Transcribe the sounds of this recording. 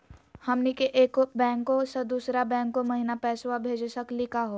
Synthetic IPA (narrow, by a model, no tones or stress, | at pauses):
hɐmnekeʔeːkbɛ̃ːŋkːosɐd̪uːsɾabɛ̃ːŋkːomɐɦinapɛːswabʱeːd͡ʒsəklɪkʰaɦoː